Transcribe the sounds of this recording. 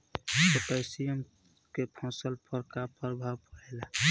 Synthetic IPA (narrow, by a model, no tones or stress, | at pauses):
totəjsijəm | kepʰɔ̃səlpʰəɾkapʰəɾbʱapəɾɛla